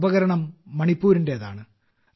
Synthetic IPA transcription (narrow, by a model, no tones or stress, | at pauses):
bɐɣɐɾɐɳɐmːɐɳipːuːɾinde̞ɐða̰ːɳɨ